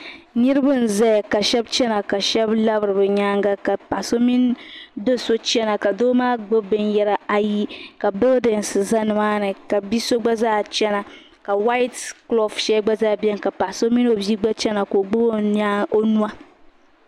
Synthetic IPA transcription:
ni˦ɾɨ˦bɨ˦n̩˨zɛ˦ja˨ka˨ʃɛ˦bt͡ʃɛ˦na˨ka˨ʃɛ˦bla˦bɨ˨ɾɨ˨bɨ˨ɲaː˦ŋɡa˦ka˨pa˨so˦mi˦ndo˦so˦t͡ʃɛ˦na˨ka˨doː˦maː˦ɡ͡bɨ˦bɨ˦njɛ˦ɾa˨a˨ji˦ka˨bɨ˦ldɛ˨nsɨ˨za˦nɨ˨maː˦nɨ˨ka˨bi˦so˦ɡ͡ba˦zaː˦˨t͡ʃɛ˦na˨ | ka˨wa˦jtklo˦˨fʃɛ˦ɡ͡ba˦zaː˦˨bɛ˦nka˨pa˨so˦mi˦no˨bi˦ɡ͡ba˦t͡ʃɛ˦na˨ko˨ɡ͡bo˦o˦a˦o˦nu˦a˦

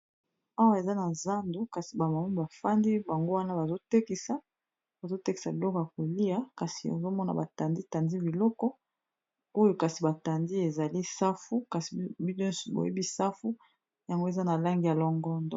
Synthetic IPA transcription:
a˦wa˦e˨za˦na˨za˦ndo˦ka˨si˨ba˨ma˨mu˦ba˨fa˦ndi˦ba˨ŋɡo˦wa˦na˦ba˨zo˦te˦ki˨sa˦ | ba˨zo˦te˦ki̥˨sa˨bi˨lɔ˦kɔ˨ja˨ko˨li˦a˦ka˨si˨o̰˨zo˦mɔ˦na̰˨ba˨ta˨ndi˦ta˨ndi˦bi˨lɔ˦kɔ˦ | o˦jo˦ka˨si˨ba˨ta˨ndi˦e˨za˨li˦sa˦fu˦ka˨si̥˨bi˦dɔ˦n˦su˨bo̰˨jḛ˦bi˦sa˦fu˦ | ja˨ŋɡo˦e˨za˦na˨la˦ŋɡi˨a˨lɔ˦ŋɡɔ˦ndɔ˨

